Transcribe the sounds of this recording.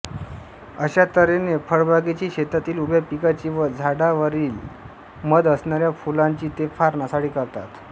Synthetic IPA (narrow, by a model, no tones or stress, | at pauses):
əɕat̪əɾenefəɭbʱaɡit͡ɕiːɕet̪at̪iːlubʱepikat͡ɕiːʋəd͡zʱaɽaʋəɾiːl | məd̪əsɳaɾjafulaɲt͡ɕiːt̪efaɾnasaɽiːkəɾt̪at̪